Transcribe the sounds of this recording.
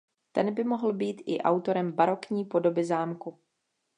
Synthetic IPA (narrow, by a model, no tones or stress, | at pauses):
t̪ɛnbɪmo̞ɦl̩biːt̪ʔɪ̰ʔa̰wt̪o̞ɾɛmbaɾo̞kɲiːpo̞do̞bɪzaːmku